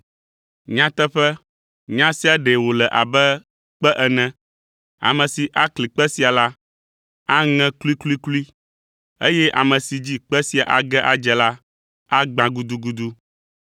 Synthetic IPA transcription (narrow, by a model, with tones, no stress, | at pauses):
ɲã˦t̪ɛ˦ɸɛ˦ | ɲã˦si˦a˨ɖɛ˨wo˨lɛ˨ʔa˨bɛ˦ | k͡pɛ˦ʔɛ˨nɛ̃˦ | a̰˨mɛ̃˨si˨ʔa˦kli˨k͡pɛ˦si˦a˨la˦ | a˦ŋɛ̃˦klu˦i˦klu˦i˦klu˦i˦ | e˦jɛ˦ʔa˨mɛ̃˨si˨d͡ʑi˦k͡pɛ˦si˦a˨ʔa˨ɡɛ˦ʔa˨d͡ʒɛ˨la˦ | a˦ɡ͡bã˨ɡu˦d̪u˦ɡu˦d̪u˦